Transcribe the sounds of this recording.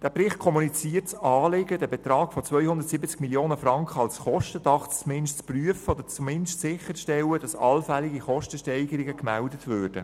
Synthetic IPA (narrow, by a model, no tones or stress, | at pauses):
d̥æːprɪχt̚kʰɔmunit͡siːərtt͡sɑːleɡədɛːbɛt̪ɾɑːɡ̥fɔt͡svœʏhʊnd̪ətsibət͡skmiljoːnəfɾɑŋkχəɑlsχɔʃtədɑχt͡smɪnʃtt͡spryəfəɔd̪əɾt͡sumɪndʃtsɪχəɾʃtɛləd̥ɑsɑlfæliɡiχɔʃtəʃtɛɪɡəɾɪɡəkmældətʋøːrd̥ə̰